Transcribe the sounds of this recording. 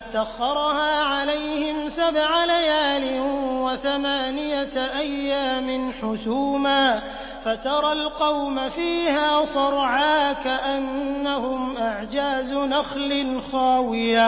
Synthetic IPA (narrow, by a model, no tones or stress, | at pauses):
saxːɑɾˤhaːʕalajhɪmsabʕalajaːlɪwaθamaːnɪjaʔajːaːmɪnħʊsuːmaː | fat̪ɑɾˤɑlqɑwmafiːhaːsˤɑɾˤʕaːkaʔanːahʊmʔaʕd͡ʒaːzʊnaxlɪnxaːwɪja